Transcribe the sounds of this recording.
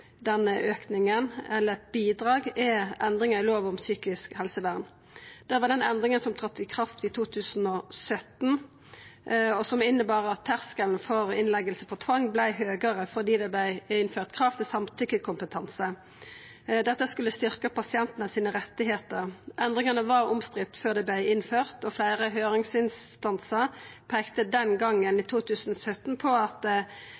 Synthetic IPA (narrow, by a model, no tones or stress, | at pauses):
d̪ɛnːəʔøːknɪŋənɛlːəʁɛt̪̚biːd̪ʁɑːɡɛɛnd̪ʁɪŋəɪloːʋɔmsyːkɪskhɛlsəʋæʁn | d̪̥ɛʋɑːd̪ɛnɛnd̪ʁɪŋənsɔmt̪ʰʁɑt̪ːɪkʰʁɑft̪ɪt̪ʰuːt̪ʰʉːsn̩ɔsœt̪n̩ | ɔsɔmɪnːəbɑːʁəɑt̪ʰːæʁskəlnfɔʁɪnlɛɡəlsəpʰɔt̪ʰʋɑŋːblæɪɦøːɡəʁəfɔʁd̪iːd̪ɛblæɪɪnføːʁt̪kʰʁɑft̪ʰɪsɑmt̪ʰʏkːəkʰʊmpət̪ʰɑnsə | d̪ɛt̪ːəskʉlːəst̪ʏʁkəpɑsɪɛnt̪n̩əsiːnəʁɛt̪ːɪɦeːt̪əɾʔɛnd̪ʁɪŋɑnəʋɑʁʊmst̪ʁɪft̪føːʁd̪ɛblæɪɪnføːʁt̪ɔflæɪʁəɦøːʁɪŋsɪnst̪ɑnsəʁpʰɛːkt̪əd̪ɛnɡɑŋːəniːt̪ʰuːt̪ʰʉːsn̩ɔsœt̪npʰɔɑt̪